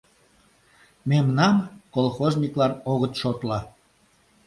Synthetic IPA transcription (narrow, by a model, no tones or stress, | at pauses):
memnɑmkolxoznʲiklɑnoɣət̪ʃot̪lɑ